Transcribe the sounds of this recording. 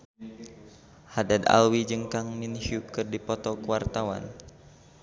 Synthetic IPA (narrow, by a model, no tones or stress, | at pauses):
hadad̪a̰lwid͡ʒəŋkaŋminhiukɨrdipɔt̪ɔkəwart̪awa̰n